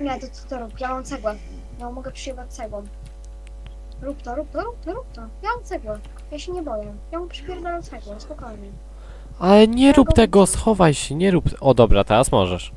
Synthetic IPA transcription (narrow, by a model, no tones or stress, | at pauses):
mʲat̪ɔt̪sɔ̥t̪ɔɾupjaɔ̃nt̪sɛɡwa | nɔmɔɡɛpʂɨjɛwɔt̪sɛɡwɔm | ɾupt̪ɔɾup̚t̪ɔɾup̚t̪ɔɾup̚t̪ɔjaɔnt̪sɛɡwa | jaɕɛɲɛbɔjɛ | jɔ̃w̃pʂɨbʲjɛɾd̪ɛɾɔsɛɡwɔ̃wspɔkɔjɲɛ | alɛɲɛɾupt̪ɛɡɔsxɔvajɕɛɲɛɾupɔd̪ɔbɾat̪ɛɾasmɔ̰ʐɛʂ